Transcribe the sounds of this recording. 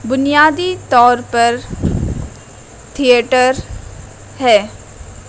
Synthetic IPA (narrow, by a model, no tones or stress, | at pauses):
bʊnijaːd̪it̪ɔːɾpɐɾ | t̪ʰieʈəɾ | ɦɛː